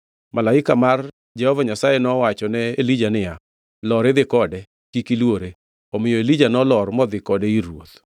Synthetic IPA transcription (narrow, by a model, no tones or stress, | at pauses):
malaɪkamar | d͡ʒɛhɔvaɲasajɛnɔwat͡ʃɔnɛelid͡ʒanɪja | lɔɾeðɪkɔdɛ | kikilwoɾe | ɔmɪjɔelid͡ʒanɔlɔɾmɔd̪ɪkɔdɛiɾwot̪